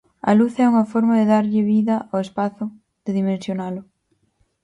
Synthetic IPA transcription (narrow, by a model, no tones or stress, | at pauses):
ɐ̰luθɛuŋɐfɔɾmaðeðaɾʎɪβiðɐʔoespaθʊ | ð̥eðimẽnsjonalʊ